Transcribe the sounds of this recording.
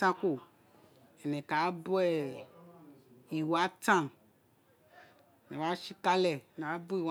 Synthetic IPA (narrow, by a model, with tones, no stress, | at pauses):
ã˦ko˦˨ | ɛ˨nɛ̃˨ka˨˦bo˦ɛ˦ | i˨wa˦tã˦˨ | nẽ˨wa˦ʃi˦ka˦lɛ˨ne˨a˦bo˦i˨w